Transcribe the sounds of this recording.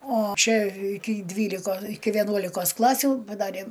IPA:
oː ˈt͡ʃʲɛ ˈɪkʲɪ ˈdʲʋʲiːlʲɪkoː ɪkʲɪ ʋʲɛˈnuɔlʲɪkoːs ˈklˠɑːsʲuː pɐˈdɑːrʲeː

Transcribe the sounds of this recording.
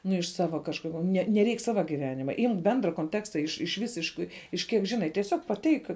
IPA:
ˈnʊ ɪʃ ˈsɑːʋɐ kɐʃˈkʊr nʲɛ nʲɛˈrʲɛɪk ˈsɑːʋɐ ɡʲɪˈʋʲæːnʲɪmɐ ˈɪmk ˈbʲɛndrɐ koːnʲˈtʲæːkstɐ ɪʃ ɪʃ ˈʋʲɪsʲɪʃkɐɪ ɪʃ ˈkʲiɛk ˈʒʲɪnɐɪ tʲiɛˈsʲoːk pɐˈtʲɛɪk

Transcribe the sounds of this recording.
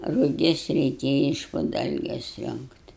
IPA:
rʊˈɡʲɪs rʲɛɪˈkʲeːjɛ ɪʃ pʊ ˈdɐlʲɡʲɛs ˈrʲoːŋktʲ

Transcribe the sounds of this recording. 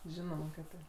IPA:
ˈʒʲɪnoːmɐ kɐt ˈtɐɪp

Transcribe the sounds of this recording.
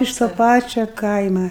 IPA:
ɪʃ toː ˈpɑːt͡ʃʲoː ˈkɐɪmɐ

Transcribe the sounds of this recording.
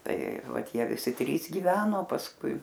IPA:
tɐɪ ˈʋɐt ˈjiɛ ʋʲɪˈsʲɪ ˈtʲrʲiːs ɡʲiːˈʋʲæːnoː pɐsˈkʊɪ

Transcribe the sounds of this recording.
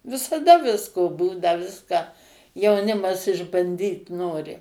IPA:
ʋʲɪsɐˈdɐ ˈʋʲɪskoː ˈbuːnɐ ˈʋʲɪskɑː jɛʊˈnʲɪmɐs ɪʒbɐnʲˈdʲiːt ˈnoːrʲɪ

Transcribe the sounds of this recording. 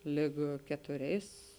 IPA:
ˈlʲɪk kʲɛtʊˈrʲɛɪs

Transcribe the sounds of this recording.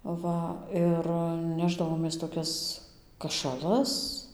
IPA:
ˈʋɐ ɪr ˈnʲæːʒdɐʋoːmʲeːs toːˈkʲɛs kɐʃɐˈlˠɐs

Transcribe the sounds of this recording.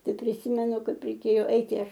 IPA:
ˈtɐɪ pʲrʲɪˈsʲiːmʲɛnʊ ˈkɐɪp rʲɛɪˈkʲeːjoː ˈɐɪtʲɪ ˈɐʃ

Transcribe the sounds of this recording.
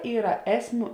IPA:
ˈiːrɐ ˈæːsʲˌmʲuː

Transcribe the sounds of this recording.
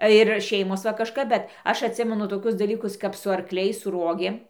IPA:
ɪr ˈʃʲɛɪmoːs ʋɐ kɐʃˈkɐp ˈbʲɛt ˈɐʃ ɐtʲˈsʲɪmʲɛnʊ toːˈkʲʊs dɐˈlʲiːkʊs kɐp sʊ ɐrkˈlʲɛɪs sʊ ˈruɔɡʲeːm

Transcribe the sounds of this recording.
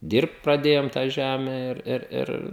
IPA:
ˈdʲiːrpt prɐˈdʲeːjoːm tɑː ˈʒʲæmʲɛ ɪr ˈɪr ˈɪr

